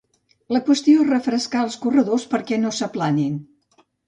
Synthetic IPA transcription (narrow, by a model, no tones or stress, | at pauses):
ləkwəst̪ioerəfɾəskaəlˠskurəðospəɾkɛnosəplanin